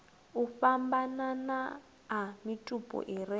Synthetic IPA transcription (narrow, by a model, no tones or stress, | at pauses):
ufambanana | amitʼupʼɔ̰ʔiɾi